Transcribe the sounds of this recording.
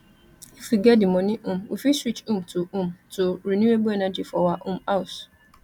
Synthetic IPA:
ifiɡɛdĩmɔ̃nĩʔũm̩ofisɾit͡ʃũmtoũmtoɾinjuebuɛnad͡ʒifɔwaʔũm̩aus

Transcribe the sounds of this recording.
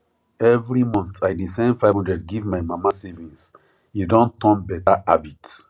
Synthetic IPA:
ɛvɾimɔ̃ntʰaɪdisãɪ̃nfaɪhɔ̃ndɹɛdɡivmaɪmãmasɛvĩns | judɔ̃ntɔ̃nbɛtaʔabit

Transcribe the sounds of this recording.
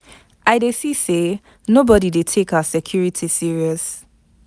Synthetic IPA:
ʔaɪdesise | nobɔɾidetʰekaʊəsɛkʰj̥uɹitʰisiɹiɔs

